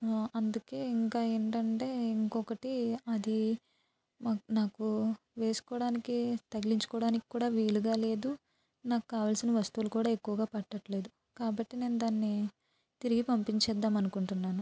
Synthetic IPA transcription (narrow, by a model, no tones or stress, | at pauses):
ɐnd̪uke̞ːiŋkaːe̞ːɳʈɐɳʈe̞ːiŋkɔkɐʈiɐd̪i | maːnaːku | ʋe̞ːsu̥kɔːɽaːnikit̪ɐɡiliɲt͡ʃu̥kɔːɽaːniki̥kːuːɽaːʋiːluɡaːle̞ːd̪u | naːku̥kaːʋaːlsinɐʋɐst̪uʋlukuːɽaːe̞kːuʋɐɡaːpɐʈːɐʈle̞ːd̪u | kaːbɐʈːine̞ːnud̪aːnːi | t̪iɾiɡipɐmpiɲt͡ʃɛːd̪ːaːmɐnukuɳʈunːaːnu